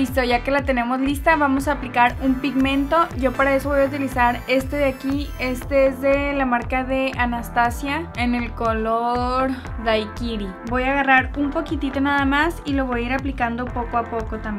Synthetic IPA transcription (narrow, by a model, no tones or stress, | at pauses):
bist̪o̞ʝake̞lat̪e̞ne̞mo̞zlist̪aβamo̞s̬aːplikaɾumpiɣmẽ̞nt̪o̞ʝo̞paɾae̞so̞βo̞jaut̪ilisaɾe̞st̪e̞ðeakie̞st̪eezðe̞lamaɾkaðe̞anast̪asjae̞ne̞lko̞lo̞ɾ | ðajkiɾi | bo̞jaɣaraɾumpo̞kit̪it̪o̞naðamasilo̞β̞o̞jaiɾaplikand̪o̞po̞koapo̞ko̞t̪amb